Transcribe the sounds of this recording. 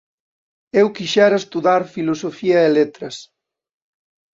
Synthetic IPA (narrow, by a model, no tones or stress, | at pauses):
ewkiʃɛɾaest̪uðaɾfilosofiɐelet̪ɾɐs